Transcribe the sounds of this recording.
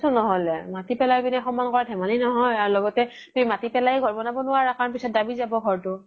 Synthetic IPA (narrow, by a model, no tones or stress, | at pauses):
sɔnɔɦɔlɛmatipɛlajbinaxɔmːankɔɹatʰɛmaninɔɦɔjaɹlɔɡɔtɛ | tumimatipɛlajɡʱɔɹbɔnabɔnʊwaɹakaɹnpisɔt̚dabizabɔɡʱɔɹtʊ